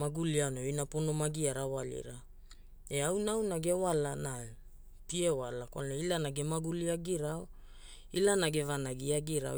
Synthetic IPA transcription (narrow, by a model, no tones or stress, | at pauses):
maɡulianoinapono̞maɡiaɾawalḭɾa | e̞awnawnaɡe̞walana | tie̞walakwa̰lnoilanaɡe̞maɡuliaɡiɾao | ilanaɡe̞vanaɡiaɡiɾa̰